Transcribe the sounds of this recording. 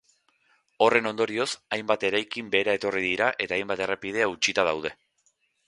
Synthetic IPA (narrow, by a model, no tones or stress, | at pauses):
o̞re̞no̞nd̪o̞ɾio̞sajmbat̪e̞ɾajkimbe̞ɾae̞t̪o̞riðiɾaʔe̞t̪aːjmbat̪e̞repið̞e̞aut͡ʃit̪að̞awð̞e̞